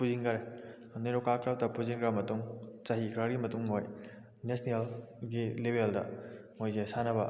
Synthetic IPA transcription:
puziŋkɐɾe | neɾokaɾklɐp̚dɐpuziŋkɾɐmɐtuŋt͡ʃɐɦikʰɾɐɾɡimɐtuŋmoj | nesnel | ɡilebʱeldɐ̰mojzesanɐbɐ

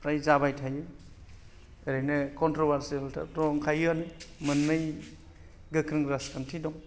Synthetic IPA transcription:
pɾajzabajtʰajɯ | eɾɯnɯkɔntɾɔbaɾsieltʰa̰ɾɔŋkʰajɯnmɯnːɯj | ɡɯkʰɾɯŋɾaskʰantʰidɔŋ

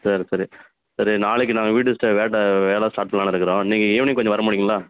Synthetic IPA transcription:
sɐɾisɐɾi | sɐɾinaːɭɯk̬ːɯnãːŋɡɐʋiːʈ̬ɯsʈɯʋeːʈːɐʋeːlaːsʈaːʈːɐlaːnɐɪɾɯkːɯɾõːniːŋɡɐɪʋɐɳikɔɲd͡ʒɔ̃ʋɐɾɐmʊɽɪŋɡʊ̃laː

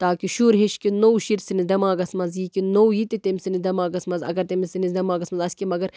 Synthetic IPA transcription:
t̪aːkiʃuːɾɦeʃkinowʃiɾsinid̪ɐmaːɡɐsmɐzjiːkinowjit̪it̪emʲsinid̪ɐmaːɡɐsmɐzɐ̰ɡɐɾt̪emisinizd̪ɐmaːɡɐsmɐzɐsʲkimɐɡɐɾ

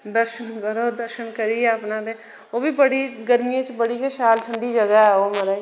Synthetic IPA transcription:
d̪əɾʃənkəɾoːd̪əɾʃənkəɾiːɛəpnãːd̪eː | oːbiːbəɽiːɡəɾmijãːt͡ʃbəɽiːkeʃaːlʈʰəɳɖiːd͡ʒəɡaɛːoːməɾaː

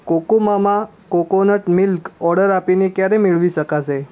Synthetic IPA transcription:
kokomama | kokonəʈmilkɔɾɽəɾapinekjaɾemiɭʋisəkase

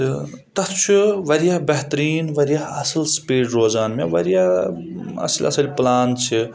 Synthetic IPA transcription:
t̪ɐt̪t͡ʃʰuʋɐɾijɐɦbɐɦt̪ɾiːnʋɐɾijaɦɐsɐlspiːʈɾoːzaːnmeʋɐɾija | ɐ̰slʲɐ̰sɐlʲplaːnt͡ʃʰi

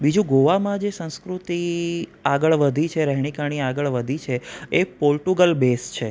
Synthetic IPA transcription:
bid͡ʒũɡoʋamãd͡ʒesə̃wskɾut̪iaɡəɭʋəd̪ʱit͡ʃʰeɾəɦɳ̃ikaɽ̃iaɡəɭʋəd̪ʱit͡ʃʰeepolʈuɡəlbest͡ʃʰe

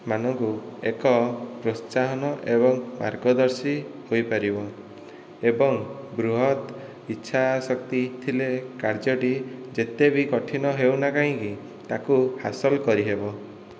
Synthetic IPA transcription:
manɔŋkuekɔpɾost͡ʃaɦɔnɔʔebɔŋma̰ɾɡɔd̪ɔɾsihojpaɾibɔ | ebɔŋbɾuɦɔt̪ | iːʃʰasɔk̚t̪it̪ʰilekaɾd͡ʒɔʈid͡ʒet̪ebikɔʈʰinɔɦewnakaɦĩki | t̪akuhasɔlkɔɾiɦebɔ

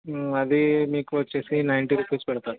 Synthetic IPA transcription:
ɐd̪imiːkʋət͡ʃːesinajɳʈiɾupespɛɽt̪at̪̚

